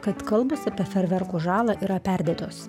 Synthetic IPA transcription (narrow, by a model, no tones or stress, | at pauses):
kɐt̪kɐlˠbɐsɐpʲiɛfʲɛɾʲʋʲɛɾkuːʒɑːlˠɑːʔiːɾɐpʲæɾʲd̪ʲeːt̪oːs